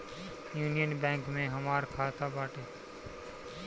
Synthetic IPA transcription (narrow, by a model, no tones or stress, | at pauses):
juːnijənbɛ̃ːŋkmẽːɦəmaːɾkʰaːt̪ʰaːbaːʈeː